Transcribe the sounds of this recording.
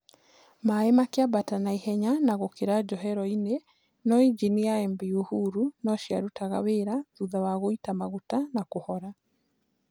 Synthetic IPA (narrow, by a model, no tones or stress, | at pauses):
maemakeabatanaihɛɲanaɣokeɾad͡ʒɔɦɛɾɔine | nɔid͡ʒiniaɛmbiuhuɾunɔʃjaɾutaɣa̰weɾaðuðawaɣoitamaɣutanakohɔɾa